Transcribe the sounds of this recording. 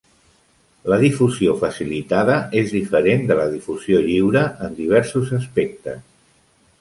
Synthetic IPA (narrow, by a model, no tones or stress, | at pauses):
ləðifuziofəsilit̪aðəʔezðifəɾend̪ələðifuz̥ijoʎiwɾəʔənd̪iβ̞ɛɾsuzəspek̚t̪ə̰s